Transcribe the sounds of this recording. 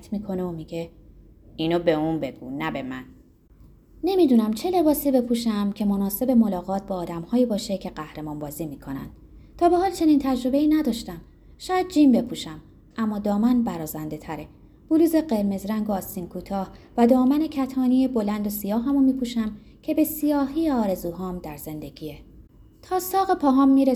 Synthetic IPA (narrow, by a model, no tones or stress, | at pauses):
t̪ʰmiːkʰo̞neomiɟe̞ | inobe̞uːnbe̞ɡ̥ṵnːæbe̞mæn | ne̞mid̪uːnæmt͡ʃʰe̞le̞bɒːsiːbe̞pʰuːʃæmcʰe̞mo̞nɒːse̞be̞mo̞lɒːɣɒːt̪̚ʰbɒːd̪æmhɒːjiːbɒːʃe̞cʰe̞ɢæhɾe̞mɒːnbɒːziːmiːkʰo̞næ̰nd̪̥ | t̪ʰɒːbe̞hɒːlt͡ʃʰe̞niːnt̪ʰæd͡ʒɾo̞be̞iːnæd̪ɒːʃt̪æm | ʃɒːjæd̪̚d͡ʒiːmbe̞pʰuːʃæm | ʔæmːɒːd̪ɒːmænbæɾɒːzænd̪e̞t̪ʰæɾe̞ | b̥uluːze̞ɢe̞ɾme̞zɾæŋɡoːst̪iːnkʰuːt̪ʰɒːhvæd̪ɒːmæne̞cʰæt̪ʰɒːnijebo̞lænd̪o̞sijɒːɦæmomiːpʰuːʃæm | cʰe̞be̞sijɒːɦiːjeɒːɾe̞zuːɦɒːmd̪̥æɾze̞nd̪e̞ɡiːe | t̪ʰɒːsɒːɣepʰɒːɦɒːmːiːɾe